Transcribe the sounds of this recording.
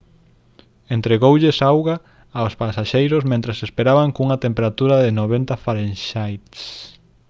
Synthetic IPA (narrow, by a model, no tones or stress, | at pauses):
ent̪ɾeɣowʎɪsawɣaː | ospasaʃejɾʊsmẽnt̪ɾasespeɾaβaŋkuŋɐt̪empeɾat̪uɾaðɪnoβ̞ent̪afaɾenʃajt̪s